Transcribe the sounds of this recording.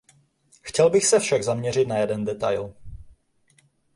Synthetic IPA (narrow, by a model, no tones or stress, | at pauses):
xcɛlbɪxsɛfʃaɡzamɲɛr̝ɪt̪najɛdɛndɛt̪a̰jl